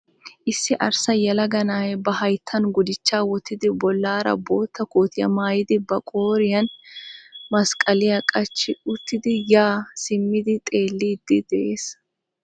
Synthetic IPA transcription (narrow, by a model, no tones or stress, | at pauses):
ʔɪsːɪʔɐɾsɐjɐlɐɡɐnaːjɛbɐɦɐjt̪ʰːɐnɡʊd̪ɪt͡ʃːaːwɔt̪ʰːɪd̪ɪbɔlːaːɾɐ̰bo̞ːt̪ːɐkoːt̪ɪjɐ̰maːjɪd̪ɪbɐkʼo̞ːɾɪjɐn | mɐskʼɐlɪjɐkʼɐt͡ʃːɪʊt̪ːɪd̪ɪjaːsɪmːɪd̪ɪt̪ʼe̞ːlːid̪̥ːɪd̪̥ɛʔeːs